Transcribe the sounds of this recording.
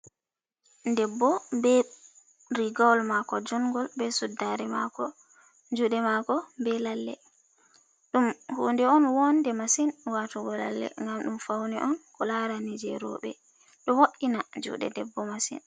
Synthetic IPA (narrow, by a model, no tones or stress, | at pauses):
ndɛbːɔbɛ | ɾiɡɔwlmakɔd͡ʒuŋɡɔlbɛsudaɾɛmakɔ | d͡ʒuɗɛmakɔbɛlalːɛ̰ | ɗumhuːndɛɔnwɔndɛmasinwatuɡɔla̰lːɛ̰ŋɡamɗumfawniʔɔnkɔlaɾanid͡ʒɛɾɔ̰ɓɛ̰ | ɗɔwoʔinad͡ʒṵɗɛ̰dɛbːɔmasḭn